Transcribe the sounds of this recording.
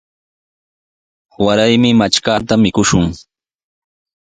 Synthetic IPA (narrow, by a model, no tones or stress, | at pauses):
waɾajmɪmat͡ʃkat̪amɪkʊʃʊŋ